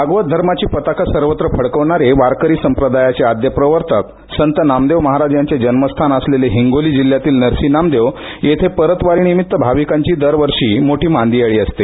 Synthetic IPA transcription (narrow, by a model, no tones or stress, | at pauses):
aɡʋət̪̚d̪ʱəɾmat͡ɕiːpət̪akəsəɾʋət̪ɾəfʰəɽkəʋɳaɾeʋaɾkəɾiːsəmpɾəd̪ajat͡sead̪jəpɾəʋəɾt̪ʰək | sənt̪ənamd̪eʋməɦaɾad͡ʑjaɲt͡ɕed͡ʑənməst̪ʰanəsleleɦiŋɡoliːd͡ʑiljat̪iːlnəɾsiːnamd̪eʋ | jet̪ʰepəɾət̪ʋaɾiːnimit̪ːəbʱaʋikaɲt͡ɕiːd̪əɾʋəɾʂiːmoʈʰiːmand̪iaɭiːəst̪e